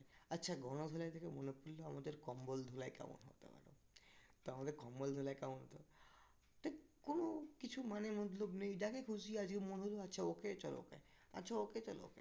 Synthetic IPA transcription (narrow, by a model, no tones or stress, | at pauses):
ɐtːʃʰaɡɔɽ̃od̪ʱolaet̪ʰekemonepuɾloamad̪eɾkɔmbold̪ʱolaeka̰mo̰nɦo̰t̪ḛpa̰ɾo̰ | t̪oamad̪eɾkɔmbold̪ʱulajkamonɦot̪ep | t̪ʰikonokit͡ɕʰumanemɔt̪lobnejɖakekʰud͡ʑiad͡ʑɡemonɦoloatːʃʰaoket͡ɕɔlo̰kḛ | ɐ̰tːʃʰaoket͡ʃɔlo̰o̰kḛ